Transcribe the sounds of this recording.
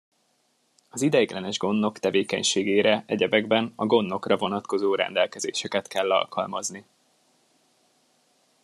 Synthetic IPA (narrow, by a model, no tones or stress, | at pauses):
ɒzid̪ɛjɡlɛnɛʒɡo̞nːo̞kt̪ɛveːkɛ̰ɲʃeːɡeːɾɛʔɛɟɛbɛɡbɛnɒɡo̞nːo̞krɒvo̞nɒt̪ko̞zoːɾɛ̰nd̪ɛlkɛzeːʃɛkɛt̪kɛlːɒ̰lkɒ̰lmɒzni